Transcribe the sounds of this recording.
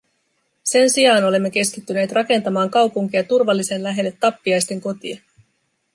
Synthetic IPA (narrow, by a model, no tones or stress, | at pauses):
se̞nsiɑːno̞le̞mːe̞k̟e̞skit̪ːyneːt̪rɑke̞nt̪ɑmɑːŋkɑwpuŋk̟iɑt̪urʋɑlːise̞nlæɦe̞lːe̞t̪ːɑpːiɑjst̪e̞ŋko̞t̪iɑ